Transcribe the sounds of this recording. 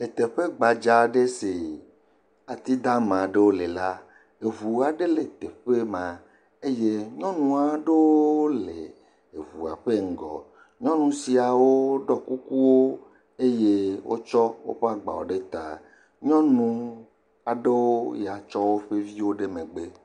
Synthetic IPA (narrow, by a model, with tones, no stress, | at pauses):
e˨t̪e˨ɸe˦ɡ͡ba˨d͡ʒa˨˦ɖe˦se˨ | a˨t̪i˦d̪a˦mã˨ɖe˦wo˦le˨la˦ | e˨βu˨a˨ɖe˦le˨t̪e˨ɸe˦mã˨ | e˦je˦ɲɔ̃˦nũ˨a˨ɖe˦wo˦o˦le˨ | e˨βu˨a̰˨ɸe˦ŋ̩˨ɡɔ̰˨ | ɲɔ̃˦nũ˨si˨a˨wo˦ɖɔ˦ku˦ku˦wo˦ | e˦je˦wʔo̰˦t͡ʃɔ˦wo̰˦ɸe˦a˦ɡ͡ba̰˨wo˨ɖe˦t̪a˨ | ɲɔ̃˦nũ˦ | a˨ɖe˦wo˦ja˨t͡ʃɔ˦wo˦ɸe˦vi˦wo˦ɖe˦mẽ˨ɡ͡be˦